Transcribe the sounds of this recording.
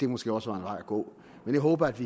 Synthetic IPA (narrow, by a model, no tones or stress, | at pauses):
d̥e̝mosɡ̥e̝ːɒ̽sʋɑ̈enʋɑ̈ɪ̰ɐɡ̥ɔ̰ː | menjäɪɦɔːb̥ɐæd̥ʋi